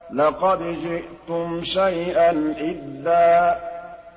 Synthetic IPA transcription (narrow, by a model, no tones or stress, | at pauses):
lɑqɑd̪d͡ʒɪʔt̪ʊmʃajʔanʔɪdːaː